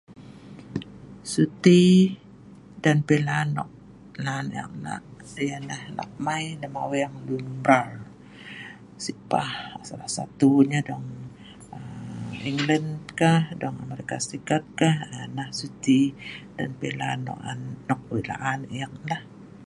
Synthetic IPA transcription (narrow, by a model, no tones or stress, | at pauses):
sut̪i | danpelanːɔ̰k̚ | laːna̰k̚na̰janahla̰k̚majləmawejaŋlumbɾal | sipahsalahsa̰t̪uɲadɔŋ | əiŋləndkahdɔŋa̰meɾikasəɾikat̪̚kahanahsut̪idanpelanɔ̰ʔa̰nːɔk̚wela̰ʔanak̚lah